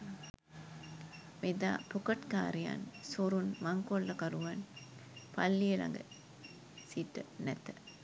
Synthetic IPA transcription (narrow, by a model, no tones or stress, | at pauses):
med̪a̰ːpokɐʈkaːɾija̰nsoɾunmaŋkolːɐkɐɾuʋanpalːielɐ̰ŋɡə̰ | siʈːənɛt̪ə